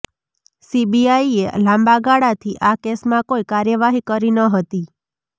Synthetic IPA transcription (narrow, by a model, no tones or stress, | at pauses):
sibiaielãmbaɡaɽat̪ʰiʔakesmãkoikaɾjəʋaɦikəɾinəɦət̪i